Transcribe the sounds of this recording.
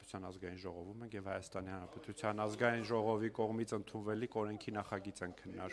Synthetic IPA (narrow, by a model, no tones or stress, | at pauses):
u̥t͡sʰjɑnɑzɡɑjinʒɔʁɔvumɛŋkjɛvhɑjɑst̪ɑnihɑnɾɑpɛt̪ut͡sʰjɑnɑzɡɑjinʒɔʁɔvikɔʁmit͡sʰənt̪ʰunvɛlikʰɔɾɛŋkʰinɑχɑɡit͡sɛnkʰənːɑɾ